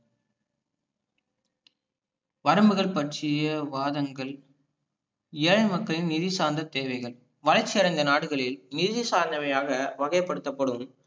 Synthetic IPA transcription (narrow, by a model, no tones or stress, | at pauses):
ʋɐɾɐmbɯɣɐɭpɐʈt͡ʃɪjɐʋaːðɐŋɡɐɭ | ɪɻɐɪmɐkːɐɭɪnɪðɪsaːɾnd̪ɐt̪eːʋɐɪɣɐɭ | ʋɐlɐɪt͡ʃːɪɐɾɐɪnd̪ɐnaːɽɯɣɐɭɪlnɪðɪsaːɾnd̪ɐʋɐjaːɣɐʋɐɣɐjɐpːɐɽɯt̪ːɐpːɐɽɯm